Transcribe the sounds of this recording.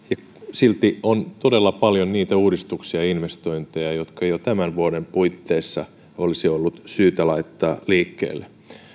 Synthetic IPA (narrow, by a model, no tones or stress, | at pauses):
jɑ | silt̪iont̪o̞delːɑpɑljonniːt̪æuːdist̪uksiɑinʋest̪o̞int̪ejɑjot̪kɑjot̪æmænʋuodempuit̪ːeːsːɑ | olisiolːut̪syːt̪ælɑit̪ːɑːliːkːḛːlːe